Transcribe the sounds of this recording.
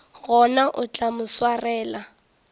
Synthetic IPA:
ɣɔnaʔʊt͡ɬʼamʊswarɛːla

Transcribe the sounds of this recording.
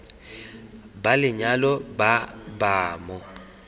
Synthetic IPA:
balɪɲalɔbabaːmɔ

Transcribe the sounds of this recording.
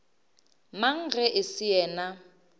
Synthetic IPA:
maŋ̩ɣɛʔɪsɪjɛːna

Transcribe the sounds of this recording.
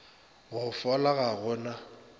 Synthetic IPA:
ɣʊfɔlaɣaɣʊna

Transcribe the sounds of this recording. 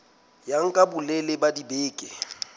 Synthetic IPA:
jaŋ̩kʼabʊlelɪbadibeːkʼɪ

